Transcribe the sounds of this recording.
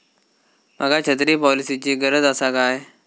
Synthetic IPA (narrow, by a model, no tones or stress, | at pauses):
m̤əɡat͡ɕʰət̪ɾiːpɔlisit͡ɕiːɡəɾəd͡z̪asakaj